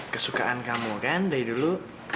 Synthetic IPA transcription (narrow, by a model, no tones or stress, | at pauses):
kəsukaankamukandaidulu